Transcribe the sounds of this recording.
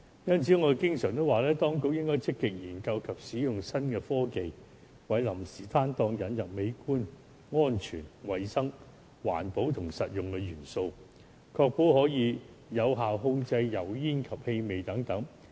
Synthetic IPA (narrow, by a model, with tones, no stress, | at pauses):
jɐ˥nt͡sʰiː˨˥ŋɔ˨˧de˨kɪ˥ŋsœː˨˩ŋt̪o˥waː˨lɛː˥t̪ɔː˥ŋkʊ˧˥k̚jɪ˥ŋkɔː˥jt͡sɪ˥kːɪ˨k̚jiː˨˩nkɐ˧wkʰɐ˨p̚siː˨˥jʊ˨ŋsɐ˥nkɛː˧fɔː˥ke˨j | wɐ˨˥jlɐ˨˩msiː˨˩t̪ʰaː˥nt̪ɔː˧ŋjɐ˨˥njɐ˨p̚me˨˧jkuː˥n | ŋɔː˥nt͡ʃʰyː˨˩nwɐ˨jsɐ˥ŋ | wa̰ː˨˩npo˨˥wt̪ʰʊ˨˩ŋsɐ˨t̚jʊ˨˩ŋkɛ˧jyː˨˩nso˧w | kʰɔː˧k̚po˨˥wɦɔː˨˥jiː˨˧ | jɐ˨˧wɦaː˨wɦʊ˧ŋt͡sɐ˧jjɐ˨˩wjiː˥nkʰɐ˨˩p̚he˧me˨jt̪ɐ˨˥ŋt̪ɐ˨˥ŋ